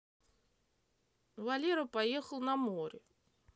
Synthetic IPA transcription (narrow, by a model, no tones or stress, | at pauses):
vɐlʲeɾəpɐje̞xəlˠnɐmoɾʲɪ